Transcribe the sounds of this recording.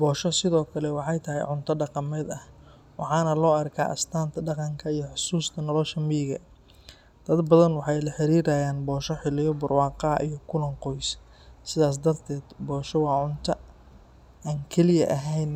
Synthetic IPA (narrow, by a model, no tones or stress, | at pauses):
bɔːʃɔsɪðɔːkʰɐlɛwɑħɑjt̪ʰɐɦɛ̰jʕʊnt̪ʰɐɖɑqɑmɛːd̪ɐh | wɑħɑːnɐlɔːɐrkʰa̰ːʔɐ̰st̪ʰaːnt̪ʰɐɖɑqɑŋkʰɐijɞħʊsuːst̪ʰɐnɔlɔʃɐmiːɣɐ̰ | d̪̥ɐd̪bɐðɐnwɑħɑjlɐħɪɾiːɾaːjaːnbɔːʃɔħɪlɪjɔbʊrwɑːqɑɐ̰ʔijɞkʰʊlɐŋqɔjs | sɪðaːs̬d̪ɐrt̪ʰɛːd̪bɔːʃɔwɑːʕʊnt̪ʰɐ | aːŋkʰɛlɪjɐ̰ʔɐɦɛjn